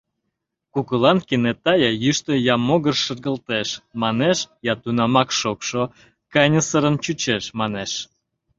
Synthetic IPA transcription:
kukəlɑnkinet̪ɑjɑjyʃt̪əjɑmoɣərʃərɣəlt̪eʃmɑneʃjɑt̪unɑmɑkʃokʃo | kɑjnʲəsəɾənt͡ɕut͡ɕeʃmɑneʃ

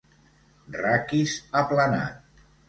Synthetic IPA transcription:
rakizaplana̰t̪̚

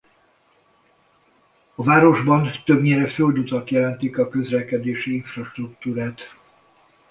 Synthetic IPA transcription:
ɒvaːɾo̞ʒbɒnt̪øbɲeːɾɛføld̪ut̪ɒt̪jɛlɛnt̪ikɒkø̞zlɛkɛd̪eːʃiiɱfrɒʃt̪rukt̪uːɾaːt̪

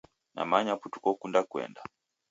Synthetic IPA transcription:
na̰maɲaputu̥kɔkundakwɛ̰nda

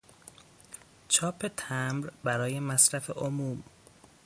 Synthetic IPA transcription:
t͡ʃʰɒːpʰe̞t̪ʰæmɾbæɾɒːje̞mæsɾæfḛʔomuːm

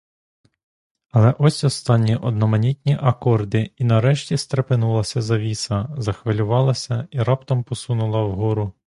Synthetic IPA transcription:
ɐlˠɛʔɔsʲɔst̪ɑnʲːiʔɔd̪nɔmɐnʲitʲnʲiʔɐkɔrd̪ɪinɐɾɛʃtʲist̪ɾepɪnulˠɐsʲɐzɐʋʲisɐzɐxʋelʲʊʋɑlˠɐsʲɐiɾɑpt̪ɔmpɔsunʊlˠɐwɦɔɾʊ

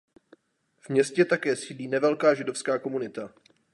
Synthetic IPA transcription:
vmɲɛscɛt̪akɛːsiːdliːnɛvɛlkaːʒɪdofskaːko̞munɪt̪a

